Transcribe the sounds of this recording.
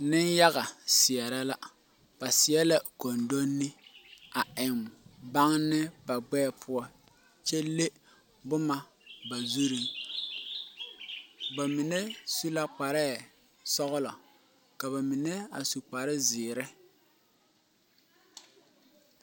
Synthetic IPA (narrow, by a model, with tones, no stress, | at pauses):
nɪ˦nja˦ɣa˨sɪ˨ɛ˨ɾa˦la˦ | b̥a˨sɪ˨ɛ˦la˦ko˨ndo˦nːɪ˦a˨ʔɪ˨mba˦ŋnɪ˦ba˨ɡ͡bɛː˦pʰʊ˦ɔ˦ | t͡ʃɛ˦lːe˦ | bʊ˦ma˦ | ba˨zu˦ɾi˨ŋ | ba˨mi˨ne˦su˦la˦k͡pa˨ɾɛ˦˨ | sɔ˦ɣʊ˦lɔ˨ | ka˨βa˨mi˨nɛ˦a˨su˨k͡pa˨ɾɪ˦zɪː˨ɾɪ˦